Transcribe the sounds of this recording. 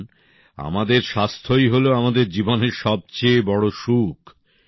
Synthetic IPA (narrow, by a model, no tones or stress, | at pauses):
n | a̰mad̪eɾʃast̪ʰojɦoloamad̪eɾd͡ʑiboneɾʃɔb̚t͡ɕebɔɽoʃukʰ